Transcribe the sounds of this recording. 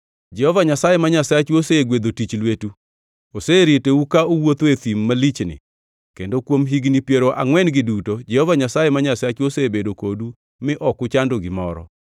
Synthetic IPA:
d͡ʒɛhɔvaɲasajemaɲasat͡ʃuoseɡwed̪otit͡ʃlwetu | oseɾiteukaowot̪oet̪imːalit͡ʃnɪ̰ | kendokwomɦiɡnipjeɾoʔa̰ŋwɛnɡɪdutod͡ʒɛhɔvaɲasajemaɲasat͡ʃuosebedokodu | mɪʔɔkʊt͡ʃandoɡɪmɔɾɔ̰

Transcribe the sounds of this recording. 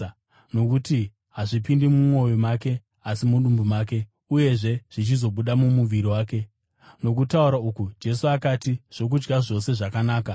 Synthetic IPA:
no̞kuti | ɦaʐipindimumo̞jomake̞ | asimuɗumbumaːk̬e̞ | uje̞ʐe̞ʐ̥it͡ʃizo̞ɓuɗamumuʋiɾiwaːke̞ | no̞kutauɾaukud͡ʒe̞suakatiʐ̥o̞k̬ud͡ʒɡaʐo̞se̞ʐakanaːka

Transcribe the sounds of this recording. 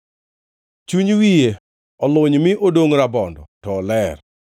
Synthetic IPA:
t͡ʃuɲwije | ɔlʊɲmɪʔodoŋɾabɔndɔ̰tɔːlɛr

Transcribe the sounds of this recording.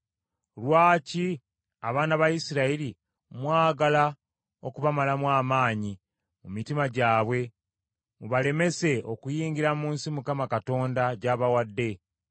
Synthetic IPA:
lwaːci | aβaːnaβajisiɾaiɾi | mwaːɡala | o̞kuβamalamwaːmaːɲi | mumitimaɟaːβwe̞ | muβale̞me̞se̞okujiːɲɡiɾamuːnsimukamakato̞ːndaɟaːβawadːe̞

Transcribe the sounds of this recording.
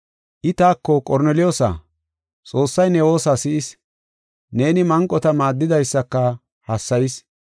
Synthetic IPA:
ʔɪt̪aːkːɔkʼɔɾnɛlɪjoːsa̰ | t͡sʼo̞ːsːɐjnɛwo̞ːsasɪʔɪs | ne̞ːnɪmɐŋkʼːɔt̪ɐmaːd̪ːɪd̪ɐjsːɐkːɐ | hɐsːɐjɪs

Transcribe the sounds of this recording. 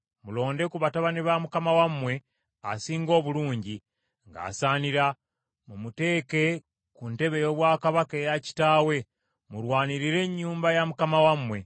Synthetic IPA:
mulo̞ːnde̞kuβataβaniβamukamawamwe̞ | a̰siːŋɡo̞ːβuluːɲɟi | ŋɡa̰ːsaːniɾa | mumute̞ːke̞ | kunte̞βe̞jo̞βwaːkaβake̞jaci̥taːwe̞ | muɾwaːniɾiɾe̞ɲːuːmbajamukamawamwe̞

